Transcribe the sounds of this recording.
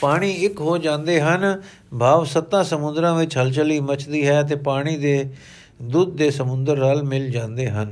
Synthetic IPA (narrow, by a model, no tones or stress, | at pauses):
paːɽ̃iːɪkɦoːd͡ʒãːnd̪eːɦən | bʱaːʋsət̪ːãːsəmʊ̃nd̪ɾãːʋɪt͡ʃɦəlt͡ʃəliːmət͡ʃd̪iːɦɛːət̪̬eːpaːɽ̃iːd̪eː | d̪uːd̪̚ːeːsəmʊ̃nd̪əɾːaːlmɪld͡ʒãːnd̪eːɦən